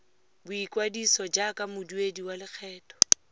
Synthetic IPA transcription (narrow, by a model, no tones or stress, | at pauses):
bʊikwadisɔd͡ʒakʼamʊdiwediwalɪk͡xʰɛːtʼɔ̥